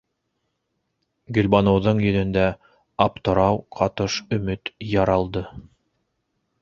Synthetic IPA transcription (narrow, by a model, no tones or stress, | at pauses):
ɡɵ̆lʲbɑnɤ̆wðɤɴjɵ̆ðɵ̆nd̪æ | ɑp̚t̪ɤ̆ɾɑwqʰɑt̪ɤʃɵ̆mɵt̪jɑɾɑlˠd̪ɤ